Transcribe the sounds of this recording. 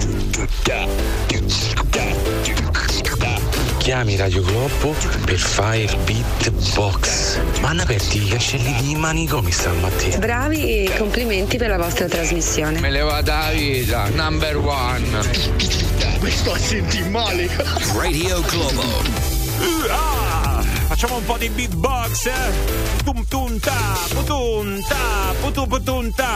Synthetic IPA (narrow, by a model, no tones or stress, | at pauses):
kʰjaːmiɾad̪joɡlɔbːʊ | perfa | rpit̪ː | bɔks | manːapɛrt̪iːkat͡ʃːɛlːid̪imanikɔmisamːat̪ʰːɛ̰bɾaːvi | kompliment̪ipeɾlavɔst̪ɾat̪ɾazmisːjoːnemelevaːt̪̬aviːt̪anambɛɾwa | n | kest̪ɔasent̪imaːli | red̪ioɡlɔba̰l | a | fat͡ʃːamoumpɔd̪ibit̪bɔks | t̪umt̪unt̪a | pt̪unt̪a | put̪upt̪unt̪a